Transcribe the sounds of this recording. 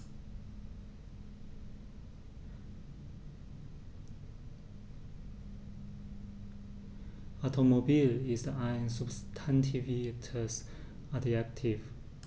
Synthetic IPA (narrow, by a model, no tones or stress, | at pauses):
ɔtʰomobilizdəãj̃nsubstʰãntʰivitʰəs | adiak̚tʰiv